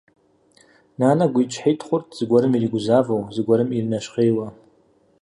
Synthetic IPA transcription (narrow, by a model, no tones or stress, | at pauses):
nanaɡʷiit͡ʃʷʰħijtʰχʷʊrtʰʼz̥ɡʷaɾɨmiriɡʷzavowzɡʷaɾɨmirnaʃqejwa